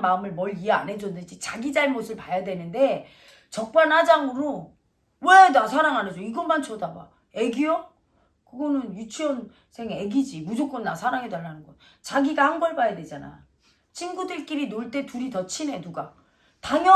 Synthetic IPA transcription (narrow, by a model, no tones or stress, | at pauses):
maɯmɯɭmʌɭiea̰nɦe̞d͡ʑondɯd͡ʑit͡ɕaɡid͡ʑaɭmosʰɯɭpajadwenɯnde̞ | t͡ɕʌk̚p͈anhad͡ʑaŋɯɾo | wenasʰaɾaŋɦanɦed͡ʑoiɡʌnmant͡ɕʰʌdaba̰ | e̞ɡijoŋ | kɯɡʌnɯnjut͡ɕʰiʌn | sʰe̞ŋeɡid͡ʑimud͡ʑok͈ʌnːasʰaɾaŋɦedaɭːanɯnɡʌn | t͡ɕaɡiɡahanɡʌɭbajadwe̞d͡ʑana̰j | t͡ɕʰinɡudɯɭk͈iɾinoɭt͈e̞tuɾitʌt͡ɕʰine̞nuɡa | taŋjʌ